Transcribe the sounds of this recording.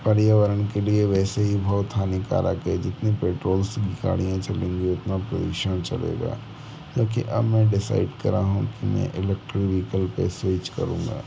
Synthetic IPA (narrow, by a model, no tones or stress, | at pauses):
pɐɾjəʋəɾənkelieʋɛːseɦibʱɔːt̪ʰːaːnika̰ːɾa̰ked͡ʒɪt̪nepeːʈɾoːlsɡɪka̰ːɽijãt͡ʃɐlẽːŋɡiʊt̪napɾojuʃənt͡ʃɐlḛːɡa̰ː | d͡ʒoːkḭʔɐbmɛ̃ɖɪsa̰ːɪɖkɐɾaɦũkimɛ̰̃ʔɪlek̚ʈɾiʋiːkəlpɛ̰ːseːd͡ʒkɐ̰ɾũːŋ̆ɡa̰ː